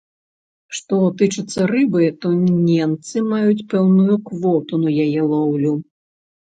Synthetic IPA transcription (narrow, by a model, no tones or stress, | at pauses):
ʂt̪ɔt̪ɨt͡ʂɨt̪sːɐrɨbɨt̪ɔnʲɛmt̪sɨmajut͡sʲpɛwnujukvɔt̪unujajɛlˠɔwlʲu